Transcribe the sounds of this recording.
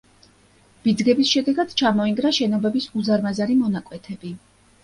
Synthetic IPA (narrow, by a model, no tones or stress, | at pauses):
b̥id̪zɡɛbisʃɛd̪ɛɡad̪̥t͡ʃʰamɔiŋɡɾaʃɛnɔbɛbisuzaɾmazaɾimɔnakʼwɛt̪ʰɛbi